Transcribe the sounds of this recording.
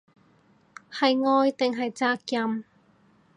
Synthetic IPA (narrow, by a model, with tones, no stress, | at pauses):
hɐ˨jŋɔː˧jt̪ɪ˨ŋɦɐ˨jt͡saː˧kjɐ˧m